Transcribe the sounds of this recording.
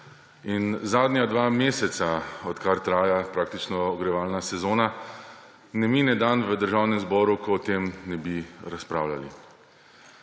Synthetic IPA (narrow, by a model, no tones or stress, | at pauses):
inzaːd̪njad̪ʋaːmeːsɛt̪saɔt̪kaɾt̪ɾaːjapɾaːk̚t̪it͡ʃnɔɔɡɾɛʋaːlnasɛzoːna | nɛminɛd̪anʋəd̪əɾʒaːwnɛmzbɔːɾukɔːt̪emnɛbiɾaspɾa̰ːwla̰lḭ